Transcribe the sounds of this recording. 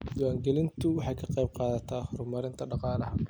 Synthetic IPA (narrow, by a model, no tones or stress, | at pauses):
jʊwaːŋɡɛlɪnt̪ʰʊwɑħɑjkʰɐqɛjb̚qɑːðɐt̪ʰaːhrʊmɐɾɪnt̪ʰɐɖɑqɑːlɐɦɐ